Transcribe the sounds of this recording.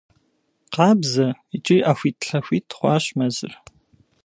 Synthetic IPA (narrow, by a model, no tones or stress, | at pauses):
qɑːbzɐit͡ʃʼiʔaːxʷiːtʰɬɐxʷiːtʰχʷɑːɕmɐzɨ̰r